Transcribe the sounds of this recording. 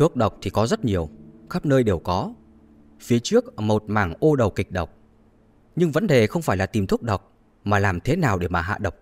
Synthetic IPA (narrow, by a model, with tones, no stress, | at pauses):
t̪ɨ˦˥ək̚ɗə˨˩wk͡p̚t̪ʰi˨˩kɔ˨˦zə˦˥t̚ɲi˨˩əwxa˦˥p̚nəː˧jɗe˨˩wkɔ˨˦ | fi˨˦ət͡ɕɨ˦˥ək̚mo˨˩t̚maː˧˩ŋʔo˧ɗə˨˩wkï˨˩k̟̚ɗə˨˩wk͡p̚ | ɲɨ˧ŋvə̰˨˧˥nɗe˨˩xə˧wŋ͡mfaː˧˩jlaː˨˩t̪i˨˩mt̪ʰu˦˥ək̚ɗə˨˩wk͡p̚ | maː˨˩laː˨˩mt̪ʰe˨˦naː˨˩wɗe˧˩maː˨˩ɦa̰ː˧˨ɗə˨˩wk͡p̚